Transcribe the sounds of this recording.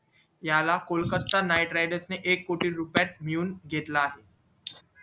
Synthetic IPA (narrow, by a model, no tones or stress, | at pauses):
jalakolkət̪ːanajʈɾajɖəsneʔekːoʈiːɾupjat̪̚miuːnɡʱet̪laːɦe